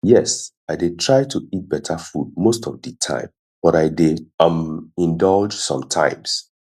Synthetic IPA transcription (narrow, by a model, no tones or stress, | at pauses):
jɛs | aɪdetʰɹaɪtʰuit̚b̥ɛtʰəfud̚mostɔvditʰã̰ɪ̃m | b̥ɔɾaɪdeãmĩndɔld͡ʒsɔ̰̃mtʰã̰ɪ̃ms